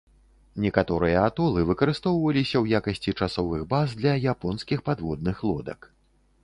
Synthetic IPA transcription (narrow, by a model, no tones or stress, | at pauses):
nʲɛkat̪ɔɾɨjɐat̪ɔlˠɨvɨkɐɾɨst̪ɔwvɐlʲisʲɐwjakɐsʲt͡sʲit͡ʂasɔvɨɣbazd̪lʲɐjapɔnskʲixpad̪vɔd̪̚nɨxlˠɔd̪ɐ̰k